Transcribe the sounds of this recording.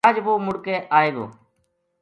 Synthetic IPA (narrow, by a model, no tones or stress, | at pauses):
d͡ʒʋoːmʊɽkẽːʔaːeːɡo̰ː